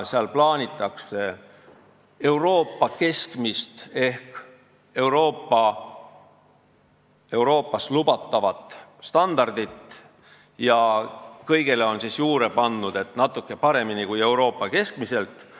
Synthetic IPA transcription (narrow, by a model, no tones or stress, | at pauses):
seɑlplɑːnʲit̪ːˑɑkse | e̞wɾo̞ːpːˑɑke̞skmist̪e̞hk | e̞uwɾo̞ːpːˑɑ | e̞wɾo̞ːpːˑɑslub̥ɑt̪ːˑɑvɑt̪ˑst̪ɑnd̪ɑrd̪̥it̪ | jɑkɤjɡ̥e̞le̞o̞nsisjuːɾe̞pɑnːud̪̥e̞t̪ˑnɑt̪ːˑukːe̞pɑɾe̞minikuje̞wɾo̞ːpːˑɑke̞skmise̞lt̪ːˑ